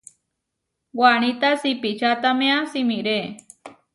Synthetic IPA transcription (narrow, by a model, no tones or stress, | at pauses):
waɳ̃it̪asipit͡ʃat̪amẽasimiɾe